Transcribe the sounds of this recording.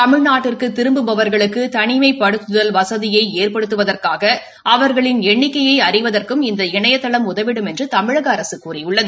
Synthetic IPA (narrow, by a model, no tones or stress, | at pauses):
t̪ɐmɪɻnaːʈːɪrkɯt̪ːɪɾɯmbɯbɐʋɐɾɣɐɭɯkːɯt̪ɐɳɪmɐɪpːɐɽɯt̪ːɯðɐlʋɐsɐðɪjɐɪeːrpɐɽɯt̪ːɯʋɐðɐrkaːɣɐ | ʔɐʋɐɾɣɐɭɪnɛɳːɪkːɐjɐɪɐrɪʋɐðɐrkɯmɪnd̪ɐɪɳɐjɐt̪ːɐɭɐmʊðɐʋɪɽɯmɛndrɯt̪ɐmɪɻɐɣɐːɾɐsɯkːuːrɪjʊɭːɐðɯ